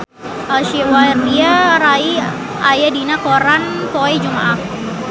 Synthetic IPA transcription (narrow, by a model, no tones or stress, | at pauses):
alʃiwaɾiaɾai | ajadinakoɾanpoɛd͡ʒumaʔak